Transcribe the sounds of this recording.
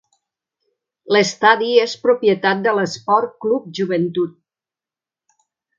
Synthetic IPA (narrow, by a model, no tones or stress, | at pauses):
ləst̪aðiespɾupjət̪at̪̚d̪ələspɔrklup̚ʒuβənt̪ut̪̚